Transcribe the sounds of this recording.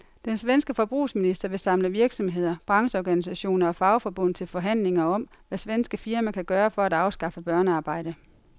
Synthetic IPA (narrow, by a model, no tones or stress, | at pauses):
d̥ensʋensɡ̥əfɒ̽b̥ʁṵːsminisd̥ɐʋe̝sɑ̈mləʋiɐɡ̥sɒ̽mɦe̝ð̞̰ˠɐb̥ʁɑ̈ŋsəɒɡ̥ænisæɕo̝̰ːnɐɒ̽fɑ̈ʊfɒ̽b̥ɔ̽n̰t͡sʰe̝lfɒ̽ɦæn̰le̝ŋɐɒ̽m | ʋæsʋensɡ̥əfiɐmækʰæɡ̥ɶːɐfɒ̽æd̥ɑ̈ʊsɡ̥ɑ̈fəb̥ɶɐnəɑ̈ːb̥ɑ̈ɪ̰ɾ̥ə